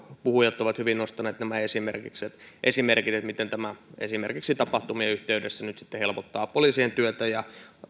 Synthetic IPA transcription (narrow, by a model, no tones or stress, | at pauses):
puhujɑt̪ːˑoʋɑt̪hyʋinnost̪ɑneːt̪næmæesimerkikset̪ʔesimerkit̪et̪mit̪ent̪æmæḛsimerkiksit̪ɑpɑht̪umiɑyht̪eydesːænyt̪si̥t̪ːehelpot̪ːɑːpoliːsient̪yøt̪æjɑ